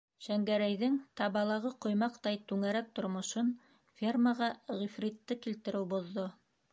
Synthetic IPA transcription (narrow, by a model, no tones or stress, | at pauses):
ʃæŋɡæɾæjðɘŋt̪ɑβɑlˠɑʁɤqŏjmɑqt̪ɑjt̪ʉŋæɾæk̚t̪ŏɾmŏʃɤn | fʲerməʁɑʁifrʲit̪ːɤkilt̪ɘ̆ɾɘwbŏðːo